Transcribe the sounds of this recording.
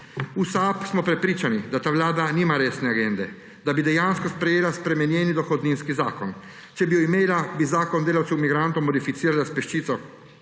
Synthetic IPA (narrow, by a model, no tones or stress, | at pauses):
usapsmɔpɾɛpɾiːt͡ʃanid̪at̪aːʋlaːd̪aniːmaɾeːsnɛaɡend̪ɛ | d̪abid̪ɛjanskɔspɾɛjeːlaspɾɛmɛnjɛnid̪ɔxod̪ninskiza̰ːkɔn | t͡ʃɛbijɔimeːlabizaːkɔnd̪eːlawt̪sɛwmiɡɾant̪omɔd̪ifit̪siːɾalaspɛʃt͡ʃiːt̪sɔ